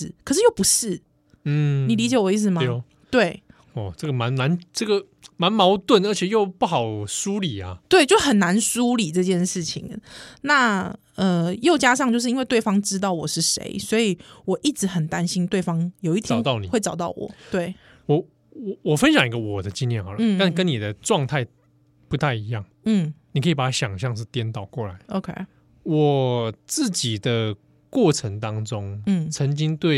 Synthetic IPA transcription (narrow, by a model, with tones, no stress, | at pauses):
kʰə˨ʂɻ̩˥˧jo˥˩ʊpu˧˥ʂɻ̩˥˩ | n̩˥˩ni˨˩li˧˥t͡ɕjɛ˨˩wɔ˨˧˦i˥˩t͡s̩˨˩mɐ | t̪we˥˩ɪ | ɔ˨˩ʈ͡ʂə˥˩ɡə˩ma˧˦nna˧˦nʈ͡ʂə˥˩ɡə˨ | ma˧˥nmɑ˧˥ʊt̪wə˥˩nə˞˧˥t͡ɕʰɛ˨˩jo˥˧ʊpu˥˩xɑ˨˩ʊsu˦li˨˩ɐ̰˨t̪we˥ɪt͡ɕjo˥˩ʊxə˨˩nna˧˥nsu˥li˨˩ʈ͡ʂɤ˥˧t͡ɕjɛ˥˧nʂɻ̩˥˩t͡ɕʰḭ˨˦ŋna˥˩ | ə˧jo˥˩ʊt͡ɕja˥ʂ̬ɑ˥˧ŋt͡ɕjo˧ʊʂ̬̩˥˧i˥nwe˥˧ɪt̪we˥˩ɪfɑ˥ŋʈ͡ʂɻ̩˥t̪ɑ˥˩ʊwɔ˨˩ʂɻ̩˥˩ʂḛ˧˥ɪswɔ˧˥i˨˩wɔ˨˩ʔi˥˩ʈ͡ʂɻ̩˧˥xə˨˩nt̪a˦˥nɕi˥nt̪we˥˩ɪfɑ˥ŋjo˨ʊi˥˩t̪ʰɑ˨ʊ˦ɑ˥˩ʊni˨xwe˥˩ɪʈ͡ʂɑ˨˩ʊt̪ɑ˥˩ʊwɔ̰˨˩˦t̪we˥˩ɪ | wɔ˨˩ | wɔ˨˩wɔ˨˩fə˦nɕjɑ˨˩ŋi˦˥ɡə˧wɔ˨˩d̪ə˦t͡ɕi˥njɛ˥˨nxɑ˨˩la˥˨˩kə˦ni˨˩d̪ə˩ʈ͡ʂwɑ˥˧ŋt̪ʰa˥˩ɪ | pu˨˦t̪ʰa˥˩ɪi˧˥jɑ˥˩ŋn̩˥˩ni˨kʰə˧˦i˨˩pa˨˩t̪ʰa˦ɕjɑ˨˩ŋɕjɑ˥˧ŋʂ̬ɻ̩˥˩t̪jɛ˥nt̪ɑ˨˩ʊkwɔ˥˩la˨˦ɪʔo˧˦ʊkʰe˥ɪ | wɔ˨˩t͡sɹ̩˥˩t͡ɕi˨˩d̪ə˦ | kwɔ˥˩ʈ͡ʂʰə˧˦ŋt̪ɑ˥ŋʈ͡ʂʊ˦˥ŋn̩˥˩t͡sʰə˧˦ŋt͡ɕi˥ŋt̪we˥˩ɪ